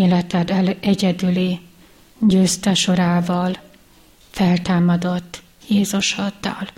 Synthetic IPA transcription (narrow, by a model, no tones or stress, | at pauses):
eːlɛt̪ɛd̪ɛlɛɟɛd̪yli | ɟøːst̪ɛʃo̞ɾaːvɒl | fɛlt̪aːmɒd̪o̞t̪ː | jeːzuʃɒd̪ːɒ̰l